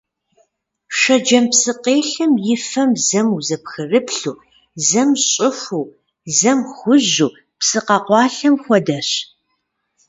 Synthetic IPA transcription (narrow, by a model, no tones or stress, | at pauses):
ʃɐd͡ʒɐmpsɨqeːɬɨmjɪfɐmzɐmuzɐpxɨrɨpɬuː | zɐmɕʼɪfʷuː | zɐmxʷʊʑuː | psɨqɐqʷɑːɬɐmxʷɔdɐɕ